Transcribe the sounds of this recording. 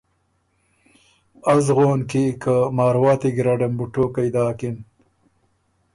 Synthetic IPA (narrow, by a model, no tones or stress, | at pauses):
azɣoːnkikamɑːɾwɑːt̪iɡɾaɖɐmbuʈoːkajd̪ɑːkin